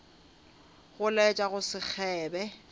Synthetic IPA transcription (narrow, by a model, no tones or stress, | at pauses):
ɣʊlɛt͡ʃʼaɣʊsɪk͡xʰɛːbɛ